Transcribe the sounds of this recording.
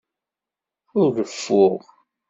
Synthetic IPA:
ʊɾɡəfːʊʁ

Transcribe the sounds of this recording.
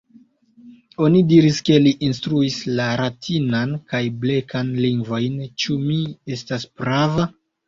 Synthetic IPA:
o̞nidiɾiske̞liʔinstɾuislaɾatʰinankajble̞kʰanliŋɡvo̞jnt͡ʃumie̞staspɾava

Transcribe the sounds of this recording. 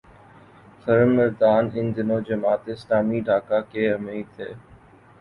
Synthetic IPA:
xəɾəmːɪɾd̪aːnɪnd̪ɪnoːd͡ʒəmaːt̪ɪslaːmiːɖʱaːkaːkeːəmeːt̪ʰeː

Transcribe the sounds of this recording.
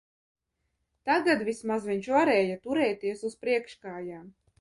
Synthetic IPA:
t̪aɡad̪vʲismazviɲt͡ʃvaɾɛːjat̪uɾɛːt̪iɛsuspɾiɛkʃkaːjaː

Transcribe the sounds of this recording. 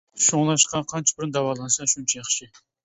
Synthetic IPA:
ʃoŋlˠɑʃqɑqʰɑnt͡ʃʰɑ̥bɪɾɪnd̪ɑwɑlˠɑnsɑʃunt͡ʃʰɛjɑχʃɪ

